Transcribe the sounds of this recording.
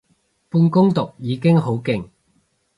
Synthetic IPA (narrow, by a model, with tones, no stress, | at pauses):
puː˧nkʊ˥ŋt̪ʊ˨k̚jiː˨˧kɪ˥ŋɦo˨˥wkɪ˨ŋ